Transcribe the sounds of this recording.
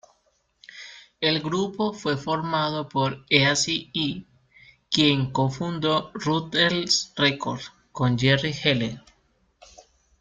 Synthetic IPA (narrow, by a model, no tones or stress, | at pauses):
e̞lɡɾupofwe̞fo̞ɾmað̞o̞poɾeasii | kje̞ŋkofund̪orut̪elsrekoɾð | kond͡ʒerixele